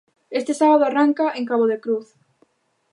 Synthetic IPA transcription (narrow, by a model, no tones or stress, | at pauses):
est̪ɪsaβaðʊaraŋkaʔeŋkaβoðekɾuθ